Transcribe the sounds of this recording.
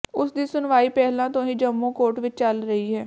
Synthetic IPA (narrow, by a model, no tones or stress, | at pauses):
ʊsd̪iːsʊnʋaːiːpɛːɦlãːt̪õːĩːd͡ʒəmːũːkoːʈʋɪt͡ʃt͡ʃəlɾəɦiːɦɛː